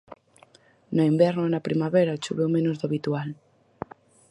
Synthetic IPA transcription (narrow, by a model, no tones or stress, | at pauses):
noimbɛɾnoenapɾimaβeɾaot͡ʃuβewmenozðoaβit̪ual